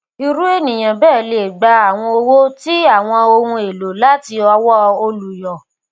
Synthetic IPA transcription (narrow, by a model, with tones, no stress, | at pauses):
i˧ɾu˦e˦˨nĩ˨j̃ã˨bɛː˦˨le˨ɡ͡ba˧a˦˨w̃ɔ̃˧o˧wo˦ti˦a˦˨w̃ɔ̃˧o˧hũ˧˦e˨lo˨la˦ti˧ɔ˧wɔ˦o˧lu˨jɔ˨